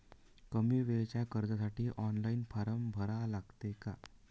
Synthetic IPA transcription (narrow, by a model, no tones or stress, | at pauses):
kəmiːʋeɭt͡ɕjakəɾd͡zasaʈiːʔɔnlainfaɾəmbʱəɾalaɡt̪eka̰